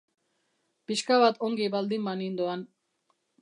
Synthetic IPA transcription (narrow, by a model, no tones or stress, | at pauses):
piʃkaβat̪oŋɡiβald̪imbanind̪oan